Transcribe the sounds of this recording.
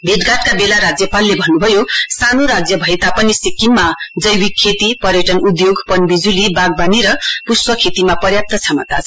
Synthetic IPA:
bʱeʈɡat̪̚kabelaɾad͡zjʌpalːebʱʌnːubʱʌjosanoɾad͡zjʌbʱʌet̪apʌnisikimmad͡zʌjwikʰːet̪ipʌɾjʌʈʌnud̪joɡpʌnbid͡zulibaɡ̚baniɾʌpuspʌkʰet̪imapʌrjap̚t̪ʌt͡sʰamʌt̪a̰t͡sʰ

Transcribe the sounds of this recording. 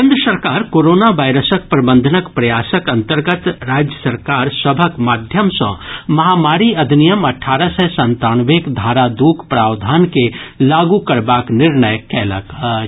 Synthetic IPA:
ɪ̃nd̪ɾəsəɾkaːɾkoːɾoːnaʋaːɪɾəsək̚pɾɐbə̃nd̪ʱənəkpɾɐjaːsəkɐ̃nt̪əɾɡət̪ɾaːd͡ʒjəsəɾkaːɾsəbʱəkmaːd̪ʱjəmsɐ̰̃mɐɦaːmaːɾiɐd̪ʱnijəmɐʈʰːaːɾəsɛsə̃nt̪aːnʋeːkd̪ʱaːɾad̪uːkpɾaːwd̪ʱaːnkelaːɡukəɾbaːknɪɾɳəjkɛːlə̰kə

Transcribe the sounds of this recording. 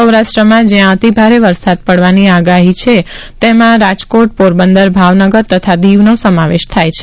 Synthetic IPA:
əwɾaʃʈɾəmãd͡ʒeãət̪ibʱaɾeʋəɾsad̪̚pəɽʋaniaɡaɦit͡ʃʰet̪emãɾad͡ʒkoʈ̚poɾbənd̪əɾbʱaʋnəɡəɾt̪ət̪ʰad̪iʋnosəmaʋeʃt̪ʰajt͡ʃʰe

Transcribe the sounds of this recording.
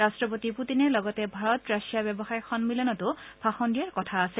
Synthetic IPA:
ɹastɹɔpotiputinɛɹlɔɡɔtɛbʱaɹɔtɹasijabɛbɔxajɔxʰɔnmilɔnɔtʊbʰʱaxɔndijaɹkɔtʰaːsɛ

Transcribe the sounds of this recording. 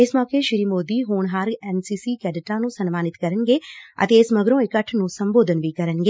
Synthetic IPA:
ɪsmɔːkeːʃɪɾiːmoːd̪iːɦoːɳɦaːɾɛːnsiːsiːkɛːɖɪʈãːnũːsənmaːnɪt̪kəɾənɡeːə̰t̪eːɪsməɡɾõːɪkəʈʰnũːsəmboːd̪ənʋiːkəɾənɡeː

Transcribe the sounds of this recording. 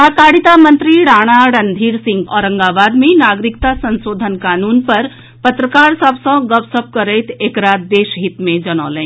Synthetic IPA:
aːkaːɽit̪amənt̪ɾiɽaːɽ̃aɽənd̪ʱiːɾsĩŋɡɔɾə̃ŋɡaːʋaːd̪mẽnaːɡɾikt̪asənsoːd̪ʱənkaːnuːnpəɾ | pət̪ɾəkaːɾsabsɐ̃ɡəpsəp̚kəɾɛjt̪ekɾaːt̪̚d̪eːʃɦit̪mẽd͡ʒəñɔ̰ːləɛ̃

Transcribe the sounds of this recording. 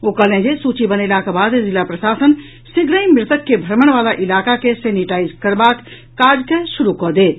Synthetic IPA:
okəɦlẽd͡ʒesut͡ʃibənelakebad̪zilapɾəsaːsən | siɡɾəĩmɾɪt̪əkːebʱəɾməɽ̃ʋalaʔilakakeseniʈaizkəɾbakː | aɾd͡ʒkesuɾukɔd̪eːt̪

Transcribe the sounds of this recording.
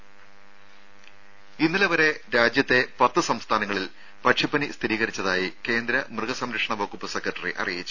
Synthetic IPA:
inːilɐʋɐɾe̞ɾaːd͡ʑjɐt̪ːe̞pɐt̪ːɨsɐmst̪ʰaːnɐŋːɐɭil | pɐʈʂipːɐnist̪ʰiɾiːɣɐɾit͡ɕːɐðaːjike̞ːnd̪ɾɐmrɨɣɐsɐmɾɐkʂɐɳɐʋɐkupːɨse̞kɾɐʈːɐrḭʔɐ̰rijit͡ɕːu̥

